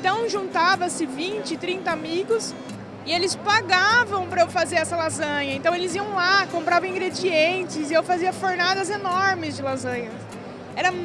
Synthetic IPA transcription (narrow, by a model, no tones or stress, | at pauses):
t̪ɐ̃w̃ʒũnt̪avɐsɪvĩnt͡ʃɪɪt̪ɾĩnt̪ɐamiɡʊs | ɪelɪspaɡavɐ̃w̃pɾɐewfazeɾɛsɐlazɐ̃ɲɐẽnt̪ɐ̃w̃elɪziɐ̃w̃lakõmpɾavɐ̃ĩŋɡɾed͡ʒiẽnt͡ʃɪzɪewfaziɐfoɾnad̪ɐzenɔɾmɪzd͡ʒɪlazɐ̃ɲɐ | ɛɾɐ